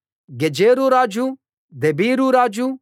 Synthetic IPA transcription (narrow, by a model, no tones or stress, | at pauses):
ɡed͡ʒeːɾuɾaːd͡ʒu | d̪ebiːɾuɾaːd͡ʒu